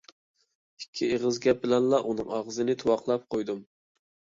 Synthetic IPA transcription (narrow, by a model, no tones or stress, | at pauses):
i̥kʲʰːieʁəzɡʲɛp̚bɪlɛnlˠɑʔunɨŋɑʁəzɨnɪt̪ʰuwɑqlˠɑp̚qʰojd̪um